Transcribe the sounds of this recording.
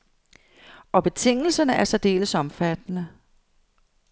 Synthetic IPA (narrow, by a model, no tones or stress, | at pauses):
ɒ̽b̥e̝t͡sʰe̝ŋ̰l̩sɐnəæɐsɒd̥e̝̰ːləsɒ̽mfæd̥nə